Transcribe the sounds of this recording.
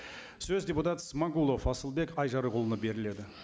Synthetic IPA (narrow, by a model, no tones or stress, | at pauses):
sɵzd̪ʲe̞put̪at̪ə̥səmaɡulˠofɑsəlˠbe̞kɑjʒɑɾəqʰʊlˠənəbe̞ɾɪle̞d̪ɪ